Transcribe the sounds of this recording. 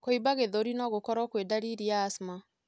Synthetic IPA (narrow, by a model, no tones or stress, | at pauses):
koibaɣeðɔɾinɔɣokɔɾɔkwedaɾiɾiaːsma